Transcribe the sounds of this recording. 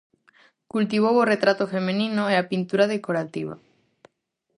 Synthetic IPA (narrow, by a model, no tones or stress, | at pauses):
kult̪iβ̞oworet̪ɾat̪ofemenĩnʊeapint̪uɾað̞ekoɾat̪iβa̰